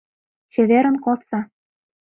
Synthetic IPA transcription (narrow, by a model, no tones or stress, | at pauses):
t͡ɕĕβeɾə̆nkot̪t͡sɑ